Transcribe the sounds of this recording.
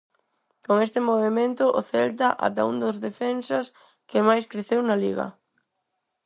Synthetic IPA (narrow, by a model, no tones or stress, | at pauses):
koŋest̪ɪmoβemẽnt̪ʊʔoθɛlt̪̬aʔa̰t̪aṵŋd̪ozðefensas | kɪmajskɾeθewnalḭɣɐ̰